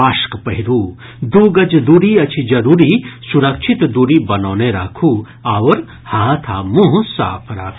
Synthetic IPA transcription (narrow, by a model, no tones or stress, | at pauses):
aːʃkpɐɦiɾuː | d̪uːɡɐd͡ʒd̪uːɾiɐt͡ʃʰid͡ʒɐɾuːɾisuɾɐkʃʰit̪d̪uɾibɐnoːneɾaːkʰuː | aːʋɐɾ | haːt̪ʰa̰ːmũɦsa̰ːpʰɾa̰ːkʰ